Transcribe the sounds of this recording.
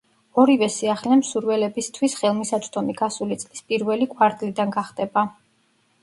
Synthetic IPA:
ɔɾivɛsiaχlɛmsuɾvɛlɛbist̪ʰwisχɛlˠmisatt͡ʃ̪ʼd̪ɔmiɡasulit̪sʼlispʼiɾvɛlikʼwaɾd̪ʼlid̪anɡaχd̪ɛba

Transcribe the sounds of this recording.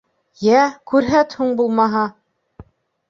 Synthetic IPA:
jækʉɾɦæt̪huɴbulˠmɑɦɑ

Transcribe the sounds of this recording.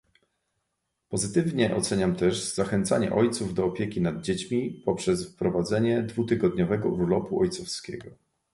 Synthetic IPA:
pɔzɘt̪ɘvɲɛʔɔ̰t̪sɛɲamt̪ɛʐzaxɛnt̪saɲɛ̰ʔɔjt̪suvd̪ɔːpʲjekʲinad̪̚d͡ʑet͡ɕmʲipɔpʂɛsfpɾɔvad̪zɛɲɛd̪vut̪ɘɡɔd̪ɲɔvɛɡɔuɾlɔpuɔjt̪sɔfskʲɛɡɔ

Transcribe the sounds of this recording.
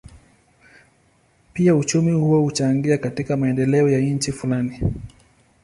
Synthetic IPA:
piaut͡ʃumihuwahut͡ʃaŋɡiakatikamaɛndɛlɛɔjaɲ̩t͡ʃifulani

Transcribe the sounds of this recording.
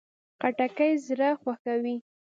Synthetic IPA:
qaʈakəjzɾaxwaxawi

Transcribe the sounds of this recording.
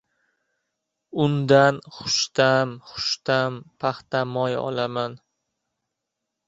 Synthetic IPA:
ʊnd̪anχʊ̥ʃt̪amχʊ̥ʃt̪ampʰaχt̪amɒjɒ̰laman

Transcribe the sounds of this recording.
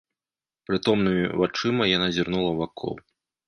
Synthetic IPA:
pɾɨt̪ɔmnɨmʲivat͡ʂɨmɐjanazʲirnulˠɐvakʰɔ̰w

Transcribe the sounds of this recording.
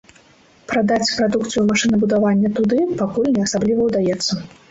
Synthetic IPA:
pɾad̪at͡sʲpɾad̪ukt̪sɨjumaʂɨnɐbud̪avanʲːɐt̪ud̪ɨpakulʲnʲɛasablʲivɐwd̪ajɛt̪sːɐ

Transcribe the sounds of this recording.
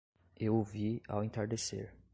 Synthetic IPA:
ewovia̰wẽt̪aɾd̪esḛɾ

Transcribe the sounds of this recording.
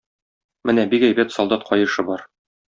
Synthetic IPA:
mɘnæbikæjbæt̪sɒlˠd̪ɑt̪̚qʰɒjɤ̆ʃɤbɒɾ

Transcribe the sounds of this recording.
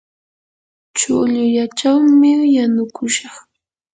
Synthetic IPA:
t͡ʃʊʎʊʎat͡ʃawmɪjanʊkʊʃɑχ

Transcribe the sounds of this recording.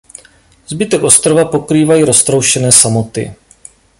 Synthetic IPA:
zbɪt̪ɛkʔo̞st̪ɾovapo̞kɾiːvajiːɾo̞st̪ɾowʃɛnɛːsamo̞t̪ɪ̰

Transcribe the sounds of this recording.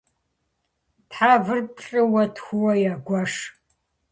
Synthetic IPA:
tħaːvɨrpʰɬʼɨwɐtxʷʊwɐjaɡʷɐʂ

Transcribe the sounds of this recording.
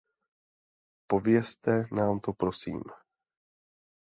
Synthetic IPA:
po̞vjɛst̪ɛnaːmt̪opɾo̞sḭːm

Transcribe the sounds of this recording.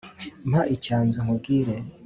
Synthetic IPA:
mhaʔicaːnzoŋ̥ub̚ɡiɾe

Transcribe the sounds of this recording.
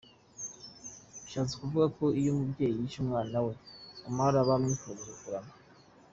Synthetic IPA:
iʃaːt͡sekuvuɡako̞ijomubɟe̞ːjijiʃumŋaːnawe̞amaɾaβamikuoɡuɾukuɾama

